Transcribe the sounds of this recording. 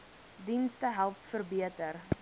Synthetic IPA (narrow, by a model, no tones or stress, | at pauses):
dinstəɦælˠpfərbiətər